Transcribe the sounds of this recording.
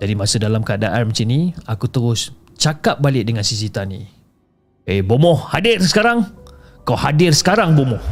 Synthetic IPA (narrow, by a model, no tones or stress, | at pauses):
dadimasədalamkadaʔanmət͡ʃinĩakut̪əɾʊs | t͡ʃakap̚balɪk̚dəŋãnsis̬it̪anḭ | ebomɔhhadɪrsə̥kaɾaŋ | kawhadɪrsə̥kaɾaŋbomɔh